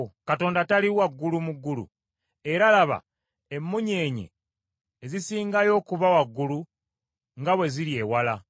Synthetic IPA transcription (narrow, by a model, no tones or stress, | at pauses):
kato̞ːndataliwaɡːulumuɡːulṵ | e̞ɾalaβa̰ | emːuɲeːɲḛː | zisiːŋɡajo̞ːkuβawaɡːulu | ŋɡaβwe̞ziɾje̞ːwala